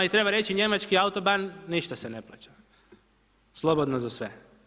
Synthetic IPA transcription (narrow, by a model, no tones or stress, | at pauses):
it̪ɾe̞baɾe̞t͡ʃiɲe̞mat͡ʃkiaut̪o̞banːiʃt̪asene̞plˠa̰ːt͡ɕḁ | slˠo̞bod̪nozasʋe